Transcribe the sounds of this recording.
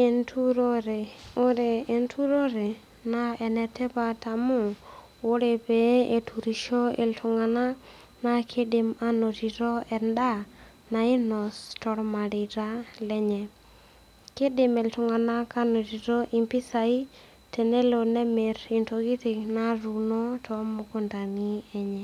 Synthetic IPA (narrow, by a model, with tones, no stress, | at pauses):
entʰu˦ɾo˦ɾe˨o˦ɾe˨e˨ntʰu˦ɾo˦ɾe˨ | na˦ɛ˨nɛ˨tɛ˦pa˦ta˨mʊ˦ | o˦ɾe˨pe˨e˨tʰu˨ɾi˨ʃo˦ḛ˨ltʰʊ˨ŋa˨na˦ | na˦kʰe˦dɪ˨ma˦no˨ti˨ɾo˦ɛ˨nda˦ | na˨ɪ˦nɔ˨stɔ˨ɾma˨di˨ɾa˦lɛ˦ɲɛ˨ | ke˦dɪ˨me˨ltʊ˨ŋa˨na˦ka˦no˨ti˨ɾo˦ʔi˦mpi˦sa˨i˦ | te˨ne˦lo˨nɛ˦me˨ɾi˨nto˨ɡi˦ti˨kna˦ɾu˨no˦tʰɔ˦mo˨ko˦nda˨ni˦ɛ˦ɲɛ˨